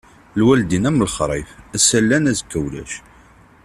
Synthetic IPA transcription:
lwæld̪inæməlχɾˤifæsælːænæzəkːəwlæ̰ʃ

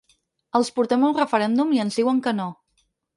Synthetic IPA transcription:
əlˠspuɾt̪ɛmulrəfəɾɛnd̪umiənzðiɣwəŋkəno

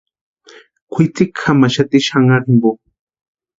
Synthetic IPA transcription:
kʷʰit͡sikxamaʃat̪iʃaŋaɾimbo

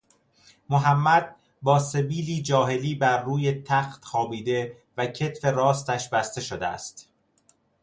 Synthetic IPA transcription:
moɦæmːæd̪̥̚ | bɒːse̞biːliːd͡ʒɒːɦe̞liːbæɾːuːjet̪ʰæxt̪xɒːbiːd̪e̞ | væcʰe̞t̪fe̞ɾɒːst̪æʃbæst̪e̞ʃod̪eæ̰st̪

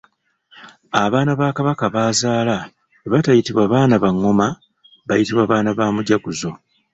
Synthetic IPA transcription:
aβaːnaβaːkaβakaβaːzaːla | βatajitiβwaβaːnaβaŋːo̞ma | βajitiβwaβaːnaβaːmuɟakuzo̞

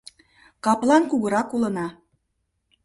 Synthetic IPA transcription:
kɑplˠɑnkuɣə̆ɾɑkulə̆nɑ

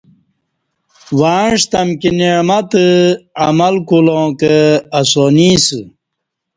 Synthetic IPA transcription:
waːɳʂt̪ɐmkineɻmɐt̪ɨɐmɐlkulõːkəɐsoːniːsɨ

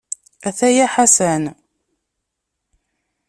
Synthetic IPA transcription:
æθæjæħasæn

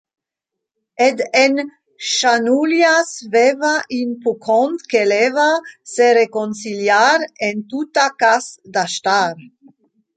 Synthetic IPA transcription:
ed̪en | ʃanuljasvevaʔinpukont̪kelevaseɾekonsiljaɾent̪ut̪akasd̪aʃt̪aɾ

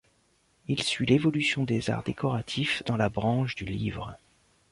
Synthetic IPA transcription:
ilsɥilevɔlysjɔ̃d̪eza̰ʁd̪ekɔʁat̪ʰifd̪ɑ̃labʁɑ̃ʃd̪ylivʁə

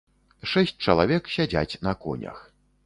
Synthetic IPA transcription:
ʂɛsʲt͡sʲt͡ʂɐlˠavʲɛksʲad͡zʲa̰t͡sʲnɐkɔ̰nʲɐ̰x

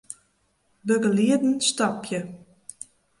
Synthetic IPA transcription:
bøɡəliədn̩stɔpjə

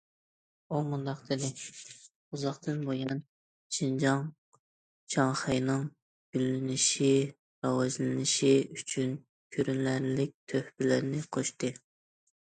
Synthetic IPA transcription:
umund̪ɑqd̪ɪd̪ɪ | uzɑχt̪ɨnbojɑn | t͡ʃʰind͡ʒɑŋ | t͡ʃʰɑŋχɨjnɨŋ | ɡ̥ʲylːɪnɪʃi | ɾɑwɑzlɪnɪʃiyt͡ʃʰyn | kʲʰøɾynlæɾlɪk̚ʲt̪ʰøhbɪlɪɾnɪqʰoʃt̪ɨ

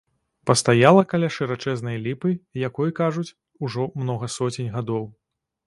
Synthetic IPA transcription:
pɐst̪ajalˠɐkalʲaʂɨɾat͡ʂɛznɐjlʲipɨjakɔjkaʐut͡sʲ | uʐɔmnɔɣɐsɔt͡sʲinʲɣad̪ɔw

